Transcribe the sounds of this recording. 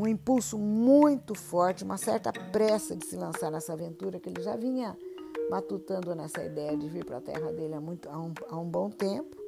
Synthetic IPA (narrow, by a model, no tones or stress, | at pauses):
ũĩpulsʊmũj̃t̪ʊfɔɾt͡ʃɪũmɐsɛɾt̪ɐpɾɛsɐd͡ʒɪsɪlɐ̃saɾnɛsɐavẽnt̪uɾɐkɪelɪʒavĩɲɐmat̪ut̪ɐ̃nd̪ʊnɛsɐḭd̪ɛjɐd͡ʒɪviɾpɾɐ̰t̪ɛ̰ɦɐd̪elɪamũj̃t̪ʊaũaũbõw̃t̪ẽpʊ̥